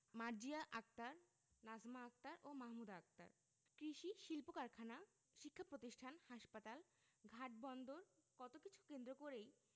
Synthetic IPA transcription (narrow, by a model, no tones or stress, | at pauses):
maɾd͡ʑiaʔak̚t̪aɾ | nazmaːk̚t̪aɾʔomaɦmud̪ak̚t̪a̰ɾ | kɾiʃiʃilpokaɾkʰana | ʃikʰːapɾot̪iʃʈʰanhaʃpat̪al | ɡʱaʈ̚bɔnd̪oɾkɔt̪okit͡ɕʰu̥kend̪ɾokoɾej